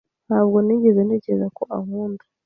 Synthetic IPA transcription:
haːβɡoniɟeβeneɟezakoʔa̰huːnda

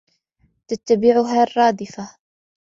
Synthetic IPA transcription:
t̪at̪ːabɪʕʊɦarˤːɑːd̪ɪfa

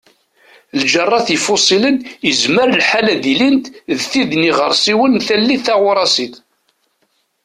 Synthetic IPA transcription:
ld͡ʒərˤːɑθifʊsˤilənjəzməɾlħalæðilint̪ðθiðniʁəɾˤsˤiwənθælːiθæʁʊɾˤɑsiθ

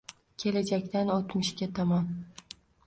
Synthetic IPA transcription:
kʲʰe̞lad͡ʒakʲt̪anot̪mɪʃkʲat̪ʰɒmɒn

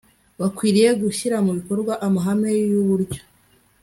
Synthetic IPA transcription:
βakwiːɾije̞ɡuçiɾamuβiko̞ɾɡwaʔamaɦame̞juβuɾɟo̥

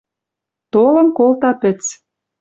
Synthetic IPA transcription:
t̪olə̆mkolt̪ɑpɘ̆t͡s

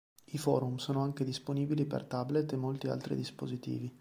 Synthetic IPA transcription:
ifɔ̰ːɾumsoːnoaŋk̟ed̪isponiːbilipḛrt̪ablet̪ːemːolt̪ia̰lt̪ɾḭd̪ispozit̪ḭːvi

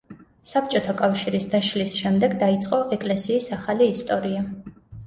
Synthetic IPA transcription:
sap̚ʰt͡ʃʼɔt̪ʰakʼafʃiɾisd̪aʃlisʃɛmd̪ɛɡd̪ait̪sʼqʼɔʔɛkʼlɛsiːsaχaliːst̪ʼɔɾia

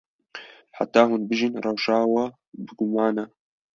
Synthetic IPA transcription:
ħa̰t̪ːaːhunbɨʒɨnrˤɑwʃaːwa | bɨɡʊmaːna

